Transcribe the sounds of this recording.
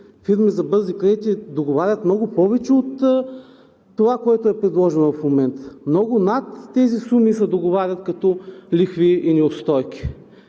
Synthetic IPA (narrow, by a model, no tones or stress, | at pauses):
fiɾmizɐbɤɾzikɾʲɛit̪id̪oɡovaɾʲət̪mnɔɡʊpɔvɛt͡ʃɛot̪ | ovakoɛt̪ʊɛpɾɛd̪lˠɔʒɛnovɐfmomɛnt̪ə̥mnɔɡʊnat̪ːɛzisumisɛd̪oɡovaɾʲət̪kɐt̪ɔlixviːnɛost̪ɔjkʲi̥